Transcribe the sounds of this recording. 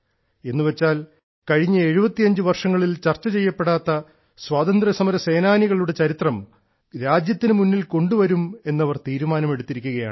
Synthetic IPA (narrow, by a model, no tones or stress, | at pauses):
e̞nːuʋet͡ɕːaːl | kɐɻiɲːɐe̞ɻubɐt̪ːijɐɲd͡ʑɨʋɐrʂɐŋːɐɭilt͡ɕɐrt͡ɕːɐt͡ɕe̞jːɐpːe̞ɽaːt̪ːɐ | swaːt̪ɐnd̪rɐsɐmɐɾɐse̞ːnaːniɣɐɭuɽe̞t͡ɕɐɾit̪rɐm | ɾaːd͡ʑjɐt̪ːinɨmunːilko̞ɳɖuʋɐɾume̞nːɐʋɐrt̪iːɾumaːnɐme̞ɽut̪ːiɾikʲːuɣɐja̰ːɳ